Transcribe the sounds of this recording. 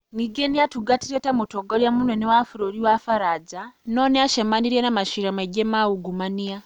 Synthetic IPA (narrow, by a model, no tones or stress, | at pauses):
niɡenijatuɡatiɾetamutoɡoljamunwenewafuɾoɾiwafaɾaːɟanoːneaʃemaniɾjanamaʃiɾamaiɟemawuɡumania